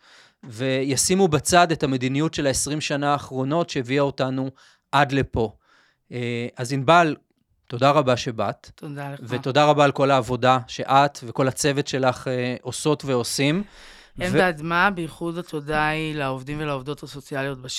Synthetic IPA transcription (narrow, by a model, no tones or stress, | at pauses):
ve̞jasimubat͡sade̞thame̞dinijutʃe̞laesʁimʃanaːχʁo̞no̞tʃeeviaotanu | ʔadle̞po̞ | eʔazinbal | to̞daʁabaʃe̞battodalveto̞daʁabaːlko̞laːvo̞daʃe̞ʔatve̞ko̞lat͡se̞vetʃe̞laχeʔo̞so̞tveo̞sim | emvdmabeiχudatodailaovdimvelaovd̪o̞tasot͡sialjot̚ba